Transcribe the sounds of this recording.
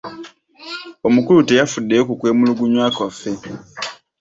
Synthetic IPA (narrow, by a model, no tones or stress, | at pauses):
omukulutejafudːeokukwe̞ːmuluɡuɲwaːkafe